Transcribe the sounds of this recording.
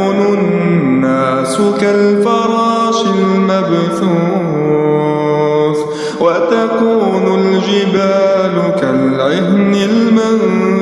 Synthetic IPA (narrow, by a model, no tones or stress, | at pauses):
nʊ | nːaːsʊkalfɑɾˤɑːʃɪlmabθuː | f | wat̪akuːnʊld͡ʒɪbaːlʊkalʕɪhnɪlman